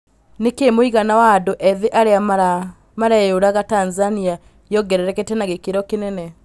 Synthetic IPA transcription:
nekemoiɣanawadoʔɛðeʔaɾea | maɾajoɾaɣatanzania | jɔɡɛɾɛɾɛkɛtɛnaɣekeɾɔkenɛnɛ

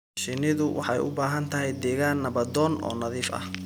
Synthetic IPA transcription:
ʃɪnɪðʊwʔɑħɑjʊ̰baːɦɐnt̪ʰɐɦɛjd̪ɛːɣaːnːɐβɐd̪ɔːnɔ̰ːnɐðiːfɐ̰h

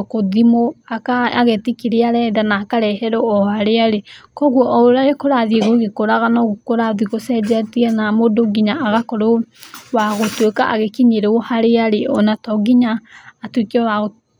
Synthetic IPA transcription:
koðimoakaaɣetikiɾeaɾɛdanaːkaɾɛhɛɾɔɔhaɾeaɾekɔɣwɔʔɔoɾaɾekoɾaðieɣoɣekoɾaɣanɔɣkoɾaðiɣosɛd͡ʒatiɛnamodoɡiɲaʔːɣakɔɾowaɣotweka̰ʔaɣekiɲeɾeohaɾeaɾeɔnatɔɡiɲaːtwekeɔwaɣo

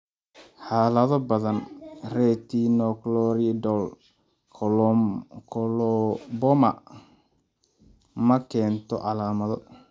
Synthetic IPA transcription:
ħaːlɐðɔbɐðɐnrɛːt̪ʰiːnɔklɔɾidɔl | kʰ | lbɔmɐ | mɐkʰɛːnt̪ʰɔ̰ʔɑlaːmɐðɔ

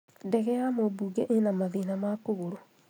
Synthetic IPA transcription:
ndɛɣɛjamobuːɡɛʔenamaðenamakoɣoɾo

